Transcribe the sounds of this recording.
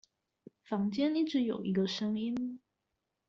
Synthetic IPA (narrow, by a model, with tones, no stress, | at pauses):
fɑ˧˥ŋt͡ɕjɛ˥ni˥˩ʈ͡ʂɻ̩˧˥jo̰˨˩ʊʔi˧˥ɡə˧ʂə˥ŋi˥n